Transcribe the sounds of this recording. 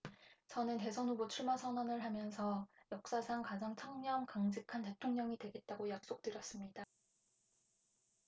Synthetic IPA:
t͡ɕʌnɯnte̞sʰʌnubot͡ɕʰuɭmasʰʌnʌnɯɭɦamjʌnsʰʌjʌk̚s͈asʰaŋkad͡ʑaŋt͡ɕʰʌŋɲʌmkaŋd͡ʑɯkʰante̞tʰoŋɲʌŋidwe̞ɡe̞t̚t͈aɡojak̚s͈ok̚t͈ɯɾjʌs͈ɯmɲida

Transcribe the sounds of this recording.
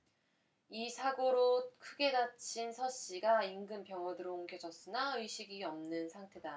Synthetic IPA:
isʰaɡoɾokʰɯɡe̞dat͡ɕʰinsʰʌɕ͈iɡaiŋɡɯmpjʌŋwʌdɯɾouŋɡjʌd͡ʑʌs͈ɯnaɥiɕʰiɡiʌmnɯnsʰaŋtʰe̞da

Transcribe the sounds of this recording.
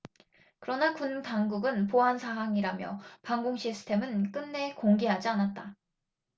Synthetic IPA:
kɯɾʌnakuntaŋɡuɡɯnpoɦansʰaɦaŋiɾamjʌ̰paŋɡoŋɕʰisʰɯ̥tʰe̞mɯnk͈ɯnːe̞koŋɡeɦad͡ʑianat̚t͈a

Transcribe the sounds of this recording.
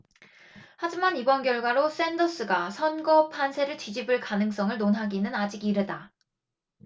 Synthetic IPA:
had͡ʑimanibʌnɡjʌɭɡwaɾos͈e̞ndʌs͈ɯɡasʰʌnɡʌpʰansʰe̞ɾɯɭtɥid͡ʑibɯɭkanɯŋs͈ʌŋɯɭnonɦaɡinɯnad͡ʑiɡiɾeda

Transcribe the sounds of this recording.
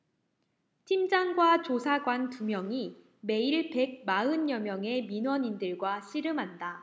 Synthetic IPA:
tʰimd͡ʑaŋɡwat͡ɕosʰaɡwantumjʌŋi | me̞iɭpe̞ɡ̚maɯnjʌmjʌŋe̞minwʌɲindɯɭɡwaɕʰiɾɯmɦanda

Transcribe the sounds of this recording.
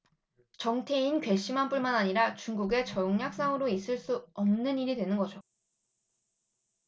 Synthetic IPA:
t͡ɕʌŋtʰe̞inkɥwe̞ɕ͈imɦanp͈uɭmanaɲiɾat͡ɕuŋɡuɡe̞t͡ɕʌjoŋɲak̚s͈aŋɯɾois͈ɯɭs͈uʌmnɯniɾidwe̞nɯnɡʌd͡ʑo

